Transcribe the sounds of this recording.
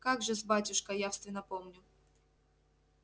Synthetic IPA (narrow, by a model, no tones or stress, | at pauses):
kaɡʐɨzbatʲʊʂkəjafst̪vʲɪnːəpomnʲʊ